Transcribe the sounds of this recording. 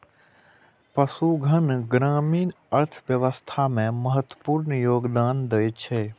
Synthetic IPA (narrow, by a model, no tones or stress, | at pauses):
pəsuɡʱənɡɾaːmiːn | əɾt̪ʰʋjəʋəst̪ʰamẽməɦət̪wəpuːɾnjoːɡd̪aːnd̪əjt͡ʃʰeː